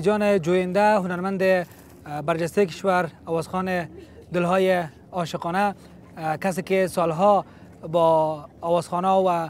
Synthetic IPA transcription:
d͡ʒɔnɪd͡ʒojɪnd̪aɦʊnaɾmand̪ɪ | baɾd͡ʒast̪ajkɪ̥ʃwaɾawɔzxɔne | d̪ɪlɦɔje | ɔʃɪqɔna | kas̬ekesɔlɦɔ | bɔːwɔzxɔnɔwa

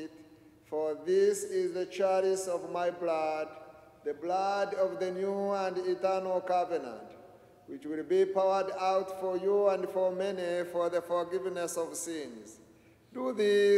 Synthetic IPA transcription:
t | fɔ˞ðɪsɪzðɨt͡ʃɛɹisɔvmaɪblad̚ | ðɨblʌdɔvðɨnjuə̃nditɜ˞nl̩ˠkavənə̰̃nt | wɪt͡ʃwɪlˠbipʰaʊə˞daʊtfɔ˞juæ̃ndfɔ˞mɛnifɔ˞ðəfɔ˞ɡɪvnɛsʌv̥sɪ̃nz̥ | duði

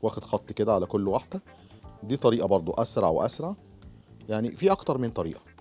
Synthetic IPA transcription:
wæːxed̪xɑt̪ˤːked̪æʕalækolːwaħd̪æ | d̪iːt̪ˤɑɾiːʔɑbɑɾˤd̪ˤoʔæsɾɑʕweʔæ̰sɾɑʕ | jaʕnifiːʔɑkt̪ɑɾˤmɪnt̪ˤɑɾḭːʔɑ̥

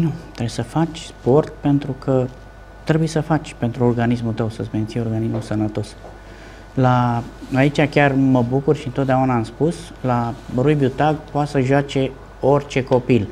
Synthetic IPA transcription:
nut̪ɾesəfat͡ʃʲspo̞rt̪̚pe̞nt̪ɾukʰə | t̪ɾe̞buje̞səfat͡ʃʲpe̞nt̪ɾuorɡanismult̪əwsət̪sʲment̪sijeo̞rɡanismusənət̪o̞s | laait͡ʃakʲarməbukurʃiɨnt̪ot̪̚d̪eaunaːmspus | laɾujbjut̪aɡpoasəʒoat͡ʃe̞ | o̞rʲt͡ʃe̞ko̞pil

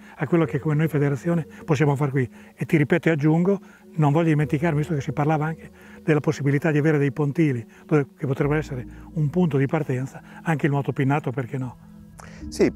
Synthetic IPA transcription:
akːwelːok̟ekːomenojfed̪eɾat̪sːjoːneposːjaːmofarkwi | et̪ːiɾipɛːt̪oead͡ʒːuŋɡo | noɱvɔʎːod̪iment̪ikaɾrmivist̪okesːiparlaːvaaŋke̥ | d̪̥elːaposːibilit̪ad̪iaveːɾed̪ejpont̪iːlid̪̥oːvekepot̪ɾɛbɛsːeɾeumpunt̪od̪ipart̪ɛnt̪sḁaŋkeilmɔːt̪opinːaːt̪operkenːɔ | si

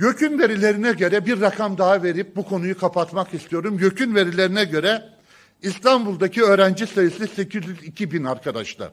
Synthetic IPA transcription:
jø̞cʰynve̞ɾilʲe̞ɾinɛɟø̞ɾɛbiɾːakʰamd̪aɦave̞ɾip̚bukʰo̞nujukʰapʰat̪makist̪ʰijo̞ɾumjøcʰynve̞ɾilʲe̞ɾinɛɟø̞ɾɛ | ist̪ʰanbulˠd̪acʰiø̞ːɾænd͡ʒisajɯsise̞cʰizjyzicʰibinaɾkʰad̪a̰ʃlˠa̰ɾ

